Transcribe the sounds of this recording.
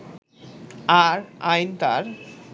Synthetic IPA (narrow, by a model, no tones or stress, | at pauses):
aɾajnt̪a̰ɾ